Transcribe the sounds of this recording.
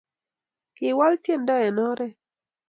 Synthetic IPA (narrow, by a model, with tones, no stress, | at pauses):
kɪ˨wa˦ltje˦˨ndɔ˦ɛ˨nɔ˦ɾɛ˦